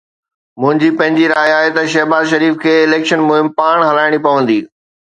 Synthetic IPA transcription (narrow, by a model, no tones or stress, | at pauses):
mʊ̃ɦɪ̃ɲd͡ʑipɐ̃ɦɪ̃ɲd͡ʑiɾaːiaːɦet̪ɐʃɐɦbaːzʃ̬ɐɾiːfkʰeːɪleːkʃənmʊɦɪmpaːɽ̃ɦɐlaːɪɽ̃ipɐʋə̃nd̪iː